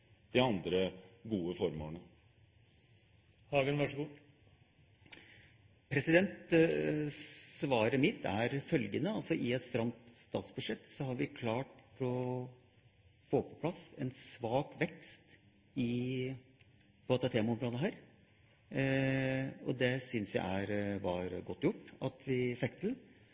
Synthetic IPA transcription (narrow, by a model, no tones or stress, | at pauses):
d̪̥ɪɑnd̪ɾəɡuːəfɔɾmoɳə | hɑːɡənʋɑʂəɡuː | pʰɾɛsɪd̪ɛnt̪ | sʋɑːɾəmɪt̪ʰːæɾfœlɡənəɑlsɔʔɪɛt̪st̪ɾɑmt̪st̪ɑːt̪sbʉd̪ʂɛt̪ːsɔɦɑɾʋɪkʰlɑːʈfɾɔ | foːpʰɔ̥pʰlɑsɛnsʋɑːkʋɛkst̪ | ɪ | b̥ɔɑt̪ɑt̪ʰeːmɑɔmɾoːd̪əɦæːɾ | ɔd̪ɛsʏnsjæ̰ɪæɾʋɑɾɡɔt̪ːjʊʈːɑt̪ʰʋɪfɛkt̪ʰɪl